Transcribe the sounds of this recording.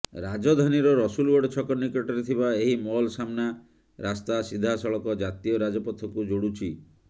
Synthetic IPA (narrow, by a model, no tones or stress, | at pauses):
ɾad͡ʒɔd̪ʱaniɾɔɾɔsulwɔɖt͡ʃʰɔkɔɾnikɔʈɔɾet̪ʰibaeɦimɔɦɔlsamna | ɾast̪asid̪ʱːasɔɭɔkɔd͡ʒat̪iɔɾad͡ʒɔpɔt̪ʰːɔkud͡ʒoɽut͡ʃʰi